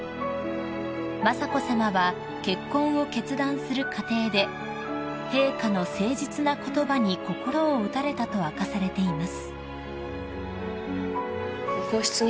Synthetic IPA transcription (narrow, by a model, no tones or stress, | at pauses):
masako̞samaβa | ke̞kːõ̞ɰ̃o̞ke̞t͡sɨd̪ãɰ̃sɨɾɯ̟kʰat̪e̞ːd̪e̞ | he̞ːkano̞se̞ːʑit͡sɨnako̞t̪o̞baɲ̟iko̞ko̞ɾo̞ːɯ̟t̪aɾe̞t̪at̪o̞βakasaɾe̞t̪e̞imasɨ̥ | kokoɕt͡sɨ